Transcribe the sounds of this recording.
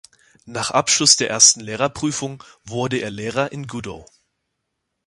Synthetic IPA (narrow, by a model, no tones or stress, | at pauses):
naːχʔapʃlʊsd̥eːɐʔeːɐstn̩leːʁ̞ɐpʁ̥yːfʊŋvʊɐdəeːɐleːʁ̞ɐʔɪnɡudo̰